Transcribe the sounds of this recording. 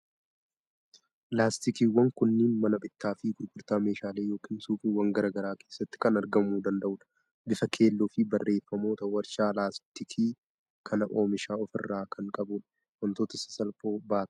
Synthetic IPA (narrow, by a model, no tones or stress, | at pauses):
laːst̪ɪkiːwɐŋkʊnːɪnmɐnɐbɪt̪ːaːfɪɡʊɾɡʊɾt̪aːme̞ːʃaːleːjo̞ːkiːnsuːfiwɐŋɡɐɾaːɡɐɾaːke̞ːsːɐt̪ːɪ̥kɐnɐɾɡɐmuːd̪ɐnd̪ɐʔʊᶑɐ̥ | bɪfɐkʰe̞ːlːoːfɪbɐrːe̞ːfːɐmo̞ːt̪ɐwɐɾʃaːlaːst̪ɪkʰiː | kʰɐnɐʔo̞ːmɪʃaːɔfɪ̰rːaːkʰɐŋkʼɐbʊᶑɐ̥ | wɐnt̪oːt̪ɐsɐ̥sɐlfoːbaːt̪